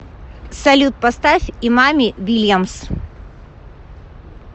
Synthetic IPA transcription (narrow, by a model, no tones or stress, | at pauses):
sɐlʲut̪̚pɐst̪afʲimamʲɪvʲilʲjams